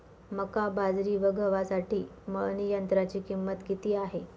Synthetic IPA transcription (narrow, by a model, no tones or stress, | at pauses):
məkabad͡zɾiːʋəɡʱəʋasaʈiːmənijənt̪ɾat͡ɕiːkimːət̪kit̪iːaɦe